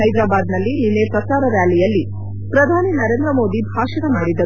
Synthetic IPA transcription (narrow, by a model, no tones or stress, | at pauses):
ɦɐjd̪ɾaːbaːd̪nɐlːininesɐsaːɾɐʋjaːlijɐlːi | pɾɐd̪ʱaːninɐɾeːnd̪ɾɐmo̞ːd̪ibʱaːʂɐnɐmaːɽid̪ːɐ